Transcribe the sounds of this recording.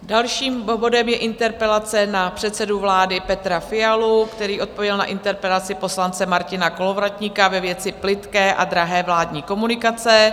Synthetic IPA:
dalʃiːmbo̞dɛmjɛʔɪnt̪ɛɾpɛlat͡sɛnapr̥ɛt̪sɛduvlaːdɪpɛt̪ɾafɪalukt̪ɛɾiːʔo̞t̪̚po̞vjɛlna̰ʔɪnt̪ɛɾpɛlat͡sɪpo̞slant͡sɛmaɾcɪnako̞lo̞vɾat̪ɲɪkavɛvjɛt͡sɪplɪt̪kɛːʔad̪ɾaɦɛːvlaːdɲiːko̞munɪkat͡sɛ

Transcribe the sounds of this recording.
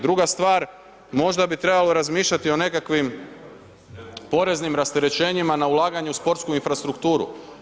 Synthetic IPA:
d̪ɾuɡast̪ʋaːɾ | mo̞ʒd̪abit̪ɾe̞balo̞ɾazmiːʃʎat̪io̞ne̞kakʋim | po̞ɾe̞znimɾast̪e̞ɾe̞t͡ɕe̞ːɲimanaulˠaːɡaɲeuspo̞ɾt̪skuinfɾast̪ɾukt̪uːɾṵ

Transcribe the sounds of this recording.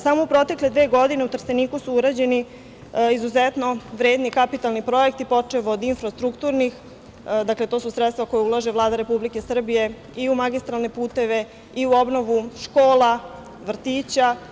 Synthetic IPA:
samoupɾo̞t̪e̞kle̞d̪ʋeːɡo̞d̪ine̞ut̪r̩seniːkusuuɾad͡ʑe̞ni | izuzet̪noʋɾe̞ːd̪nikapit̪alˠnipɾo̞jekt̪ipo̞t͡ʂeʋod̪infɾast̪ɾukt̪uɾnix | d̪akle̞t̪o̞ːsusɾet̪t̪vako̞jeulˠaʒeʋlˠaːd̪aɾe̞publike̞sr̩bije̞ | iumaɡist̪ɾalne̞puːt̪e̞ʋe̞ | iuo̞bno̞ʋuʃkoːla | ʋr̩t̪iːt͡ɕa

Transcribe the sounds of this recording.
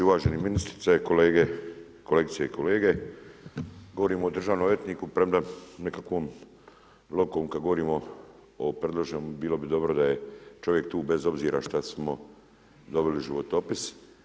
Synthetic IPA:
iuʋaːʒeniminist̪ɾi̥t̪sekoleːɡe | koleːɡit̪sijeikʰoleːɡe̞ | ɡo̞ʋoɾiːmoːd̪r̩ʒaːʋnomjet̪niːkupɾemd̪anekakʋoːm | lˠokomkad̪ɡo̞ʋo̞ɾiːmo | opɾed̪lˠoʒenubiːlˠo̞bid̪o̞bɾod̪aje̞t͡ʃo̞ʋje̞k̚t̪uːbe̞zo̞bziːɾaʃt̪asmo | d̪o̞biliʒiʋot̪opis

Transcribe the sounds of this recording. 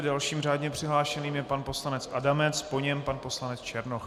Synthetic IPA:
dalʃiːmr̝aːdɲɛpr̥ɪɦlaːʃɛniːmjɛpanpo̞slanɛt͡sʔadamɛt͡spo̞ɲɛmpanpo̞slanɛt͡st͡ʃɛɾnox

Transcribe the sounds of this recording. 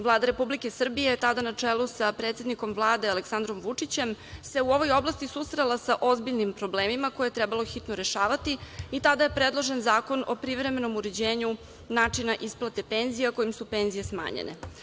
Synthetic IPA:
vlˠaːd̪aɾe̞publikesr̩bijet̪ad̪anat͡ʂelusapɾet̪sed̪niko̞mvlˠaːd̪e̞aleksand̪ɾo̞mʋut͡ʂit͡ɕe̞mse̞uo̞ʋo̞jo̞blˠast̪isust̪ɾelasaʔozbiʎnimpɾo̞bleːmimako̞jet̪ɾɛbalˠoxit̪noɾe̞ʃaːʋat̪iit̪ad̪aje̞pɾed̪lˠo̞ʒenzaːko̞no̞pɾiʋɾe̞me̞no̞muɾed͡ʑeːɲu | naːt͡ʂinaʔisplˠat̪e̞pe̞nzijako̞jimsupe̞ːnzije̞sma̰ːɲḛnʔḛ

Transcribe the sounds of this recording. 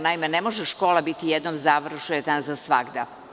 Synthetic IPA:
naimenemo̞ʒeʃko̞ːlabit̪ijed̪nomzaʋr̩ʃujet̪anzasʋaɡd̪a

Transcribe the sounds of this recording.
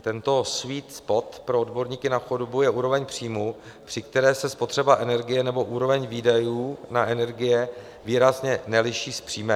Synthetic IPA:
t̪ɛnt̪o̞sviːt̪spo̞t̪pɾoodbo̞ɾɲiːkɪnaxudobujɛʔuːɾo̞vɛɲpr̝̥iːmu | pr̥ɪkt̪ɛɾɛːsɛspo̞t̪r̝̥ɛbaʔɛnɛɾɡɪjɛnɛbo̞ʔuːɾo̞vɛɲviːdajuːnaʔɛnɛɾɡɪjɛ | viːɾazɲɛnɛlɪʃiːspr̥iːmɛ

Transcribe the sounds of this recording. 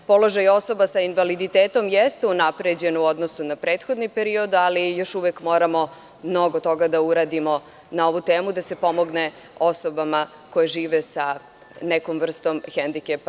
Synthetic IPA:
po̞lo̞ʒajo̞so̞basainʋalid̪it̪eːt̪o̞mjest̪eunapɾed͡ʑe̞nuo̞d̪nosunapɾeːt̪xo̞d̪nipeɾio̞d̪alijo̞ʃuʋekmo̞ːɾamo̞ | mno̞ɡot̪o̞ɡad̪auɾaːd̪imo̞ | nao̞ʋut̪eːmud̪ase̞po̞mo̞ɡne | o̞so̞bama | ko̞jeʒiːʋesa | nekomʋr̩st̪o̞mxend̪ikep

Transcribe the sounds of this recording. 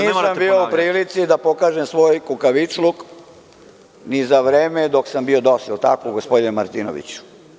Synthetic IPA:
niːsambioupɾiːlit̪sid̪apo̞kaːʒemsʋo̞ːjkukaʋit͡ʃluk | nizaʋɾeːmed̪o̞ksambio̞d̪osilt̪akoɡospod̪inemaɾt̪ino̰ʋḭt͡ɕu̥

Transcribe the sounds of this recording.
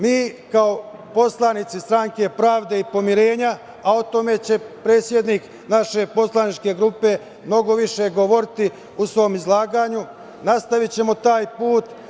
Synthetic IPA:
miːkaopo̞slˠanit̪sist̪ɾaŋke̞pɾaːʋd̪e̞ipo̞miɾe̞ːɲaː | o̞t̪o̞me̞t͡ɕe̞pɾe̞ːt̪sje̞d̪nik | naʃe̞po̞slˠanit͡ʃke̞ɡɾupe̞ | mno̞ɡo̞ʋiʃe̞ɡo̞ʋo̞ɾit̪i | usʋo̞ːmizlˠaːɡaːɲu | nast̪aʋit͡ɕe̞mo̞t̪aːjpuːt̪

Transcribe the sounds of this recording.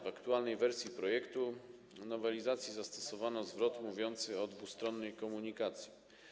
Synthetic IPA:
vakt̪ualnɛjvɛɾsʲjipɾɔjɛkt̪u | nɔvɛlʲizat̪sʲjizast̪ɔ̥sɔvanɔzvɾɔt̪muvʲjɔnt̪sɘɔd̪vust̪ɾɔnːɛjkɔmuɲikat̪sʲji

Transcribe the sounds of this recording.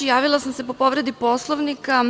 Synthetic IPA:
jaːʋilˠasamse̞po̞po̞ʋɾe̞d̪ipo̞slˠoʋnika

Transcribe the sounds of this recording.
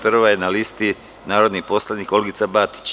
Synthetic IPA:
pr̩ʋajenalist̪i | naːɾo̞d̪nipo̞slˠaniko̞lɡit̪sabat̪i̥t͡ɕ

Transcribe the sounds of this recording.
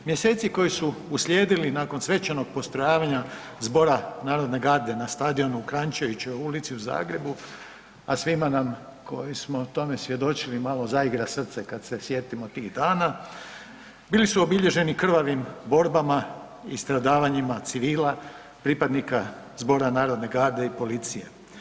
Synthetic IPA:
mje̞se̞ːt̪siko̞jisuuslʲjeːd̪ilinaːko̞nsʋe̞t͡ʃano̞ɡ̚po̞st̪ɾo̞jaːʋaɲa | zbo̞ɾanaːɾo̞d̪ne̞ɡaɾd̪e̞nast̪ad̪io̞nuːkɾaɲt͡ʃejut͡ʃojulit̪siuza̰ːɡɾe̞bu | asʋimanam | ko̞jismo̞t̪o̞me̞sʋje̞d̪o̞t͡ʃilimaːlˠo̞zaiɡɾasr̩t̪se̞kad̪se̞sje̞t̪imot̪iɣd̪aːna | biːlisuo̞biʎe̞ʒe̞nikr̩ʋaʋimbo̞ɾbama | ist̪ɾad̪aːʋaɲimat̪siʋiːla | pɾipad̪nika | zbo̞ːɾanaːɾo̞d̪ne̞ɡaːɾd̪e̞ipo̞lit̪sije̞

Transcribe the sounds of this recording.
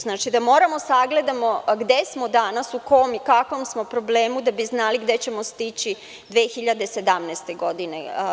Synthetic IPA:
znaːt͡ʃid̪amo̞ːɾamo̞saɡle̞d̪amo̞ɡd̪e̞smo̞d̪anasuko̞mikakʋo̞msmo̞pɾo̞ble̞ːmud̪abiznaliɡd̪e̞t͡ɕe̞most̪it͡ɕi | d̪ʋeːxiʎad̪e̞sed̪amnɛst̪e̞ɡo̞d̪inḛ

